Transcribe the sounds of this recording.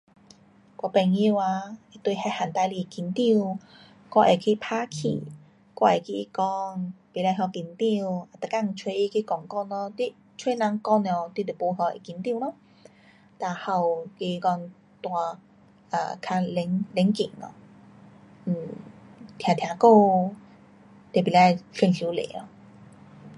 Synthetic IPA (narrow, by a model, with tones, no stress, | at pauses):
kwa˧pɛ˧˩ŋi˧wa˧i˧t̪we˧ha˧˩ha˨˩nt̪a˧jli˧˨ki˧˩nt̪i˥˧w | kwa˧ʔe˨kʰi˧pʰaː˦˥kʰḭ˨˩ | kwa˧e˨˩ki˧i˧kɔ˧npi˨˦la˧ɦjɔ˧ki˨˧˩nt̪i˧wa˨˧˩t̪ə˨˩ka˧ŋ̩˧t͡ʃʰwe˧i˧kʰi˧kɔ˨˩ŋkɔ˥˧nɔ˧t̪wi˧ | t͡sʰwe˧˦nã˧˦ŋkɔ˥˧n˧ɔ˨˩t̪wi˧t̪e˨˩po˧˦ɦɔ˧˩ʔḭ˨ki˧˦nt̪i˧˨nɔ˦ | t̪a˧˩ha˧˩wki˧kɔ˧ŋ | t̪wa˧ | a̰˨˧˩kʰa˧le˧˦ŋle˨˦ŋkḭ˨˩ŋɔ̰˧˩ | m̩˨˩t̪ʰja˨˩t̪ʰja˨˧˩ko˥˧ | t̪e˨˩pi˨la˧˩jfi˧nsi˧˦wlḛ˨˦ɔ˧˩